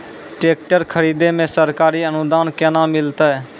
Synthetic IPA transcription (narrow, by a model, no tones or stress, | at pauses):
ʈek̚ʈəɾkʰəɾid̪emesəɾkaɾiənud̪ankenamilt̪ə